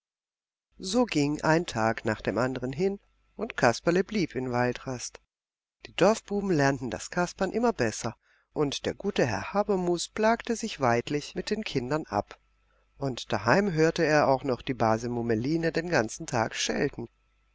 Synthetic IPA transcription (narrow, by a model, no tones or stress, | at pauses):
zoːɡɪŋʔaɪntʰaːknaːχd̥eːmʔandəʁənɦɪn | ʔʊntkʰaspɐləbliːpʰɪnvaltʁast | d̥iːdɔɐfb̥uːbm̩lɛɐntn̩da̰skʰaspɐnʔɪmɐbɛsɐ | ʔʊntd̥eːɐɡuːtəɦɛɐhaːbɐmuːspl̥aːktəzɪçv̥aɪtlɪçmɪt̚d̥eːnkʰɪndɐnʔa̰p | ʔʊntd̥aɦaɪmɦøːɐtəeːɐʔaʊxnɔχd̥iːbaːzəmuməliːnədeːnɡant͡sn̩tʰa̰ːkʃɛ̰ltn̩